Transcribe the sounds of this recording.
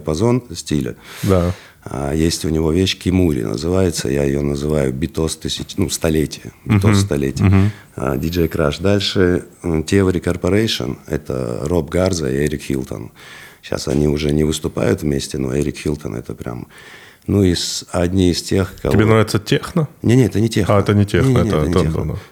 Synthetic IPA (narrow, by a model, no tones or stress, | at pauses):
pɐzo̞nsʲtʲilʲə̰d̪a | ajesʲtʲʊnʲɪvo̞vʲeɕkʲɪmuɾʲɪ̰nə̰zɨvajɪt̪sə̰jaɪjonəzɨvajʊbʲɪt̪ost̪ɨsʲɪnust̪ɐlʲetʲɪjəbʲɪt̪osst̪ɐlʲetʲɪ | dʲɪd͡ʒɛjkɾaʂd̪alʲʂɨtʲevəɾʲɪkərpɐɾejʂə̰nɛ̰t̪ə̰robɡard̪zə̰ieɾʲɪkxʲḭlˠt̪ə̰nɕːa̰sɐ̰nʲiʊʐɛnʲɪvɨst̪ʊpa̰jʊt̪vmʲesʲtʲɪno̰eɾʲɪkxʲilʲˠt̪ənɛ̰t̪əpɾʲa̰m | nuizɐdʲnʲiɪstʲe̞xkɐ̰ɪbenzɾavʲɪt̪sətʲexnənʲenʲeɛt̪ənʲɪtʲexɛət̪ənʲɪtʲenʲeənʲed̪a